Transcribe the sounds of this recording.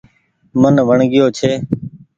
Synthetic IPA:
mənʋəɳɡɪjoːt͡ʃʰeː

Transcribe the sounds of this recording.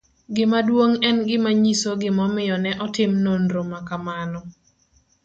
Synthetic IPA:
ɡɪmadwoŋɛnɡɪmaɲisoɡɪmɔmɪjɔnɛʔɔtɪmnonɾomakamanɔ

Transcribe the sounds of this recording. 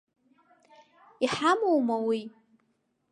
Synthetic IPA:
iħamowmawi

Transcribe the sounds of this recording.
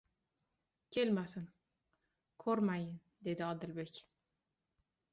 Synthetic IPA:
kʲʰe̞lmasɪn | kʰɵɾmajɪnd̪e̞d̪ɪɒd̪ɪlbe̞kʲ

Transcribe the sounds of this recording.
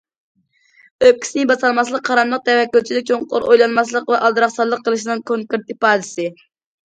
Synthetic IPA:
øp̚kʲʰi̥snɪbɑsɑlˠmɑslˠəqqʰːɑɾɑnlˠəq̚t̪ʰɛvɛkʲːylt͡ʃʰilɪk̚ʲt͡ʃʰoŋqʰo̰ɾojlˠɑnmɑs̬lˠəqvɛʔɑlˠd̪ɨɾɑχsɑlˠːəqʰːəlˠɨʃ̬inɨŋkʰoŋkʲeɾt̪ipɑːd̪ɪsɪ

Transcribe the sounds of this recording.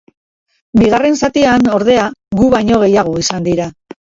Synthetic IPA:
biɣ̞are̞nsat̪iano̞ɾðe̞aɣuβajɲo̞ɣe̞jaɣ̞o̞isand̪iɾa

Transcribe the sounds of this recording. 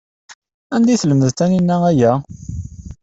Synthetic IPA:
ænd̪iθləməðt̪æninːææjæ

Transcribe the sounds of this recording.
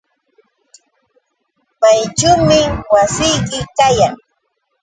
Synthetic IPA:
pajt͡ʃawmɪwasɪjkɪkajaŋ

